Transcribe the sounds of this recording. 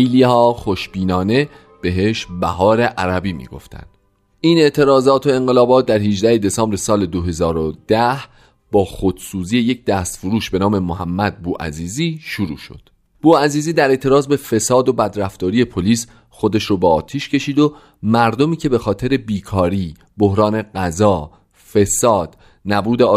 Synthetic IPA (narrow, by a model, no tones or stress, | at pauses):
ejlihɒːxoʃbiːnɒːne̞ | b̥e̞ɦe̞ʃbæɦɒːɾe̞ʔæɾæbiːmḭːɡo̞̰ft̪ʰæ̰nd̪̥ | iːne̞ʔt̪ʰe̞ɾɒːzɒːt̪ʰo̞e̞ŋɢe̞lɒːbɒːt̪̚d̪æɾhiʒd̪æhe̞d̪e̞sɒːmbɾesɒːle̞d̪oɦe̞zɒːɾod̪̥æh | b̥ɒːxo̞d̪̥suːziːje̞jec̚ʰd̪æst̪foɾuːʃbe̞nɒːme̞moɦæmːæd̪̚buːʔæ̰ziːziːʃuɾuːʃo̞̰d̪̥ | b̥uːæziːziːd̪æɾe̞ʔt̪ʰe̞ɾɒːzbe̞fe̞sɒːd̪o̞bæd̪ɾæft̪ɒːɾije̞pʰoliːs | xo̞d̪e̞ʃɾoːbɛɒːt̪ʰiːʃcʰe̞ʃiːd̪o | mæɾd̪o̞miːcʰe̞be̞xɒːt̪ʰe̞ɾe̞biːkʰɒːɾiː | bohɾɒːne̞ɢæzɒː | fe̞sɒːd̪̥ | næbuːd̪e